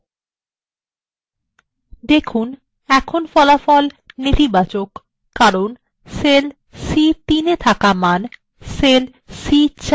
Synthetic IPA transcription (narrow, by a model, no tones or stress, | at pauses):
d̪ekʰun | ɛkʰonfɔlafɔlnit̪ibat͡ɕokː | aɾon | sel | sit̪inet̪ʰakaman | sel | sit͡ɕ